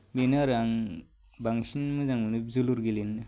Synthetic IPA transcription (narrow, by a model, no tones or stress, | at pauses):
binaɾaŋ | baŋsinmɯzaŋmɯnɯbzuluɾɡilinɯ